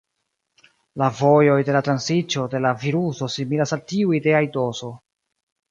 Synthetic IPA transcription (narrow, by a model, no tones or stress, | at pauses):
lavo̞jo̞jde̞latɾansit͡ʃo̞de̞laviɾuso̞similasaltiuide̞ajdo̞so̞